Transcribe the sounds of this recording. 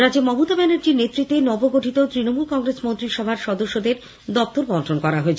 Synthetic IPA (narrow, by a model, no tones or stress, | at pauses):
ɾad͡ʑemɔɦut̪abɛneɾd͡ʑiɾnet̪ːɾit̪ːenɔboɡoʈʰit̪ot̪ɾinomulkɔŋɾesmont̪ɾiʃɔbʱaɾʃɔd̪oʃːod̪eɾ | d̪ɔp̚t̪oɾbɔnʈʰonkɔɾaɦoet͡ɕʰe